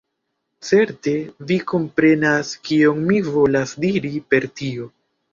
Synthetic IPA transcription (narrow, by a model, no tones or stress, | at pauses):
t͡se̞ɾte̞viko̞mpɾe̞naskio̞ŋmivo̞lasdiɾipe̞ɾtio̞